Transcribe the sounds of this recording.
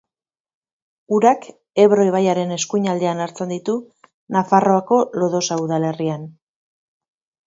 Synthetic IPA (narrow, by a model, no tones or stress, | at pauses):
uɾak | e̞βɾo̞iβajaɾe̞ne̞skuɲald̪e̞anaɾt͡send̪it̪u | nafaro̞ako̞lo̞ðo̞sauðale̞rian